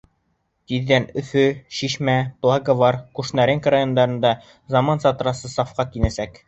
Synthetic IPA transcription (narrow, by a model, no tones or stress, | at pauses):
t̪iðːænɵ̆fɵɕiʃmæplˠaɡaβɑɾkʉʃnæɾɘŋkɾajond̪ɑɾɤ̆nd̪ɑ | zɑmɑnsɑt̪ɤ̆ɾɑsɤsɑfqɑkinæsæk